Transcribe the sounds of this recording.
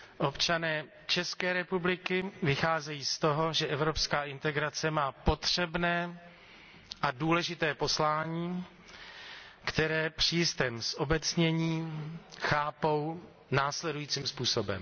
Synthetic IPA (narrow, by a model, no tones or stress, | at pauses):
ʔopt͡ʃanɛː | t͡ʃɛskɛːɾɛpublɪkɪvɪxaːzɛjiːst̪o̞ɦo̞ʒɛʔɛvɾopskaːʔɪnt̪ɛɡɾat͡sɛmaːpo̞t̪r̝̥ɛbnɛː | ʔaduːlɛʒɪt̪ɛːpo̞slaːɲiː | kt̪ɛɾɛːpr̝̥iːst̪ɛmsʔobɛt͡sɲɛɲiːxaːpow | naːslɛdujiːt͡siːmspuːso̞bɛ̰m